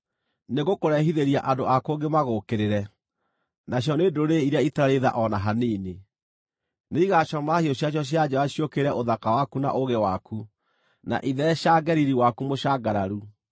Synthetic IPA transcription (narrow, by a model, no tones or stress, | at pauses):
neɣokoɾɛɦiðeɾiaʔadoakoɡemaɣokeɾeɾɛ | naɕ̬jɔneːdoɾeiɾaitaɾaɾeða̰ʔɔnaɦaneːne | neiɣaʃɔmahioɕ̬jaɕ̬jɔɕ̬jad͡ʑɔaɕjokeɾɛʔoðakawakuna̰ʔoɣewaku | na̰ʔiðɛʃaɡɛɾiɾiwakumoɕaːɡaɾaɾu